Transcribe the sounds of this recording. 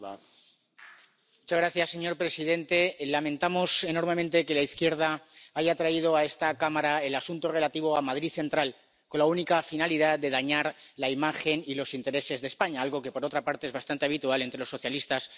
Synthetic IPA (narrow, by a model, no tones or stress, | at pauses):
mut͡ʃazɣɾaθjasːe̞ɲo̞ɾpɾe̞sið̞e̞nt̪e̞lamẽ̞nt̪amo̞se̞no̞ɾme̞mẽnt̪e̞ke̞laiθkje̞ɾð̞aaʝaːt̪ɾaið̞o̞ae̞st̪akamaɾae̞lasunt̪ore̞lat̪iβ̞oamað̞ɾiθe̞nt̪ɾal | ko̞nlaunikafinaliðaðe̞ð̞aɲaɾ | laimaxe̞nilo̞sint̪e̞ɾe̞se̞zðespaɲaalɣo̞ke̞po̞ɾo̞t̪ɾapaɾt̪eezβast̪ant̪eaβ̞it̪uale̞nt̪ɾelosːo̞θjalist̪as